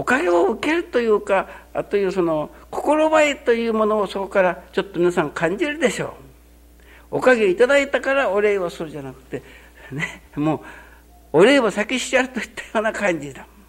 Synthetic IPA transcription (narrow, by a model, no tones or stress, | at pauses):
o̞kaɡe̞oɯ̟ke̞ɾɯ̟t̪o̞jɯ̟ːka̰t̪o̞jɯ̟ːso̞no̞ | kʰo̞̥ko̞ɾo̞baet̪o̞jɯ̟ːmo̞no̞ːso̞ko̞kaɾat͡ɕo̞t̪ːo̞mʲinasãŋkʰãɲ̟d͡ʑiɾɯ̟d̪e̞ɕo̞̰ː | okaɡe̞it̪ad̪ait̪akaɾaoɾe̞ːβasɨɾɯ̟d͡ʑanakɯ̟̥t̪ːe̞ | nemoː | oɾe̞ːβasakʲiɕi̥aɾɯt̪o̞it̪ʰːḁjo̞ːnakãɲd͡ʑid̪a